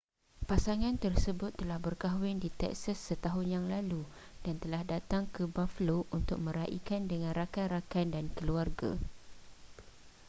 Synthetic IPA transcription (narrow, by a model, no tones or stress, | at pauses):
pasaŋãnt̪ərsəbʊt̪ːəlahbərkaɦwɪndit̪ɛ̰k̚sasːət̪aɦʊnjaŋlalu | d̥ant̪əlahdat̪aŋkəbafəlount̪ʊk̚mə̃ɾaʔḭkandəŋãnrakanrakandankəluarɡa̰